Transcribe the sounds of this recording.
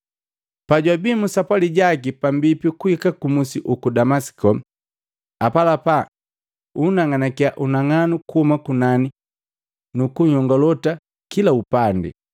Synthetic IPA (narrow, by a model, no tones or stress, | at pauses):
paɟwabimusapwaliɟak̬ipambipikuikakumusiʔukudamasi̥kɔ | apalapa | unaŋanakiaʔunaŋanukuhumakunani | nukuɲɔŋɡɔlɔta | kilaupandɛ̰